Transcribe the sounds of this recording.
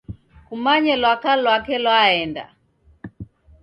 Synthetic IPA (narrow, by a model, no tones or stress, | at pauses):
kumaɲɛlwakalwakɛlwaɛnda̰